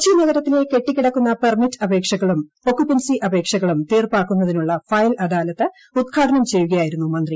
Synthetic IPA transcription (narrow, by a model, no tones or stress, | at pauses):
t͡ɕʰinɐɣɐɾɐt̪ːile̞ke̞ʈːikʲːiɽɐkːunːɐpɐrmitːɐbe̞ːkʂɐɣɐɭum | o̞kːupːensiʔɐbʱe̞ːkʂɐɣɐɭumt̪eːrpaːkːunːɐðinuɭːɐfɐjlɐdaːlɐt̪ːɨ | ud̪ɡʰʱaːʈʰɐnɐmt͡ɕe̞jːuɣɐjaːjiɾunːumɐnd̪ri